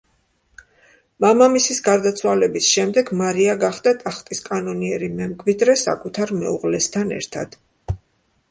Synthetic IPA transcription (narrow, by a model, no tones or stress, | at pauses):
mamamisisɡaɾd̪at̪sʰwalɛbisʃɛmd̪ɛɡmaɾiaɡaχd̪at̪ʼaχt̪ʼiskʼanɔniɛɾimɛmkʰʼwid̪ɾɛsa̰kʼut̪ʰaɾmɛuʁlɛst̪ʰanɛ̰ɾt̪ʰa̰d̪̥